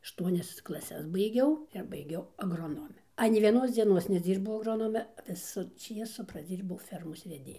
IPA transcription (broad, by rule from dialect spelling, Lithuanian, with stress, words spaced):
ɐʃˈtuɔnʲɛs klˠɐˈsʲɛs bɐɪˈɡʲɛʊ ɪr bɐɪˈɡʲɛʊ ɐɡroːˈnoːmʲɛ ˈɑːnʲɛɪ ʋʲiɛˈnoːs d͡zʲiɛˈnoːs nʲɛˈd͡zʲiːbɐʊ ɐɡˈroːnoːmʲɛ ˈʋʲɪsʊ ˈt͡ʃʲiɛsʊ prɐˈd͡zʲiːrbɐʊ ˈfʲɛrmoːs ʋʲɛˈdʲeːjʊ